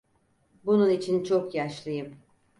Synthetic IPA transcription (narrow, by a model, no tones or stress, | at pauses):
bununit͡ʃʰint͡ʃʰo̞kjaʃlˠɯjɯm